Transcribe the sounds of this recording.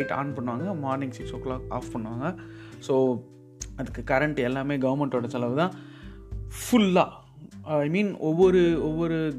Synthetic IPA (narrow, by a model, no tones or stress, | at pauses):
ɪʈa̰ːnpɐɳːʋaːŋɡɐmaːɾnɪ̃ŋɡsɪksoklaːka̰ːfpɐɳːɯʋaːŋɡɐsoː | ɐðɯkːɯkɐɾɛɳʈɯɛlːaːmeːɡɐʋɐɾmɛɳʈoːɽɐsɐlɐʋɯðãː | fʊlːaː | ɐɪmĩːnɔʋːɔɾɯɔʋːɔɾɯ